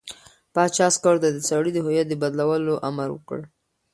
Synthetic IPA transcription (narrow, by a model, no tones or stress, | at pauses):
pɑt͡ʃɑskɑɽd̪ad̪ət͡saɽid̪əɦojɑd̪əbad̪lawəloʔa̰maɾwə̰kə̰ɽ